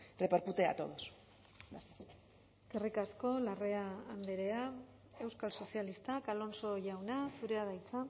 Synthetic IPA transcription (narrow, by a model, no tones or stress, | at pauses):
repaɾkut̪ea̰t̪o̞ðos | asa | kerikasko̞lare̞aːnd̪eɾe̞a | e̞wskalso̞sialist̪akalo̞nso̞ʝawnasuɾe̞aðajt͡sa